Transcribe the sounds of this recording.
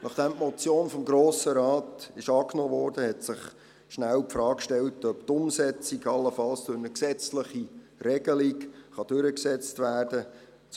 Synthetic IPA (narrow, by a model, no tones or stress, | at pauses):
nʔɑχd̥̪ɛmmɔt͡sjoːnfɔmɡɾoːsəɾɑːtɪʃɑːknoːvɔːɾd̥əhɛtsɪχ | ʃnæwpfrɾɑːkkʃtɛltœpt̪ʊmsɛt͡siɡɑlːəfɑlsd̥ʉɾnəksɛt͡sləχirɛɡ̥əlikχɑd̥ʏɾəksɛt͡stvæːrd̥ə | t͡s